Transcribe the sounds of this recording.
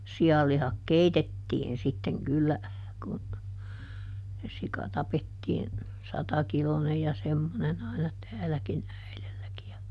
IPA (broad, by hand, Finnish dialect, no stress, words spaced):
siɑlːihɑk keitetiːn sitːeŋ kylːæ kun se sikɑ tɑpetːiːn sɑtɑkilonej jɑ semːonen ɑinɑ tæːlækin æilelːæki jɑ